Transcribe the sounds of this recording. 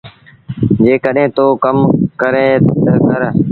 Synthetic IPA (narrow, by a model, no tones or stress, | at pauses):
d͡ʒeːkəɗẽːt̪oːkəmkəɾẽːəkəɾ